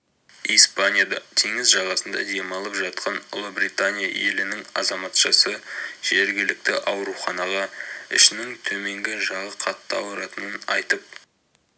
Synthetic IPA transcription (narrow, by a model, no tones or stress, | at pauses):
ijspanʲijad̪ɑt̪ʰeŋɪzʒɑʁɑsənd̪ɑ̰d̪emɑlˠəpʒɑt̪̚qʰɑnʊ̰lˠəbɾijt̪anʲija̰je̞̰lɪnɪŋɑ̰zɑmɑt̪ʃɑsəʒ̥e̞ɾɡʲɪlɪk̚t̪ɪʔɑwɾuχɑnɑʁɑɪ̰ʃɪnɪŋt̪ʰɵme̞ŋɡʲɪʒɑʁəqʰɑt̪ːəɑ̰wəɾɑt̪ənənɑ̰jt̪əp̚